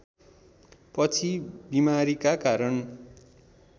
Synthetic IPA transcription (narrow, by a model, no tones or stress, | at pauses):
pʌt͡sʰibimaɾikakaɾʌn